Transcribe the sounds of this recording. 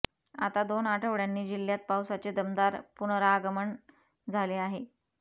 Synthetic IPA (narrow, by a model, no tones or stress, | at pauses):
a̰t̪ad̪onaʈʰəʋɽjanːiːd͡ʑiljat̪̚pawsat͡sed̪əmd̪aɾpunɾaːɡəməɳ | d͡zʱaleaɦe